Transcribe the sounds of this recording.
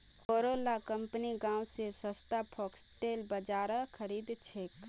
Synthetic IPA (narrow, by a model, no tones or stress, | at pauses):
koɾolakəmpniɡãũsesəst̪apʰɔksʈelbəd͡ʒaːɾəkʰəɾid̪t͡ʃʰek